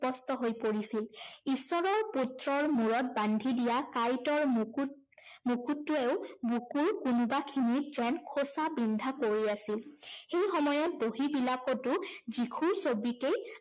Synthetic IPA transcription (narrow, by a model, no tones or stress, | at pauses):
pɔstɔɦojpoɹisilisɔɹɔputɹɔɹmuɹɔt̚bandʱidijakajtɔɹmk | mukutːʊeʊbukuɹkunʊbakʰinitzɛnkʰosabindʱakoɹiasilxejxɔmɔjɔt̚boɦibilakɔtʊzikʰuɹsobikej